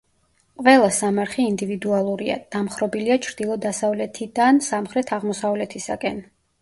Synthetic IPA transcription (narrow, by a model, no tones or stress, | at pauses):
qʼvɛlˠasamaɾχɛind̪ivid̪ualˠuɾia̰d̪̥amχɾɔbiliat͡ʃʰɾd̪ilˠɔd̪asavlɛt̪ʰid̪ansamχɾɛt̪ʰaʁmɔsavlɛt̪ʰisa̰kʼɛn